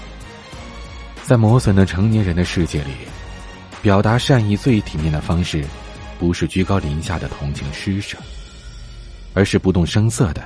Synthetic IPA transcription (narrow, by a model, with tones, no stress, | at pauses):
t͡sa˥˩ɪmwɔ˧˥swə˨˩nd̪ə˦ʈ͡ʂʰɤ˧˥ŋnjɛ˧˥nɻə˧˥nd̪ə˧ʂɻ̩˥˧t͡ɕjɛ˥˩lḭ˨˩˦ | pjɑ˨˩ʊt̪a˧˥ʂa˥˧ni˥˧t͡swe˥˩ɪt̪ʰi˨˩njɛ˥˩nd̪ə˩fɑ˥ŋʂɻ̩˥˩ | pu˧˥ʂɻ̩˥˩t͡ɕy˥˧kɑ˥ʊli˧˥ŋɕja̰˥˩d̪ə˩t̪ʰʊ˧˥ŋt͡ɕʰi˧˥ŋʂɻ̩˥ʂə̥˨˩˦ | ə˞˧˥ʂɻ̩˥˩pu˧˥t̪ʊ˥˩ŋʂɤ˥ŋsɤ˥˩d̪ə˩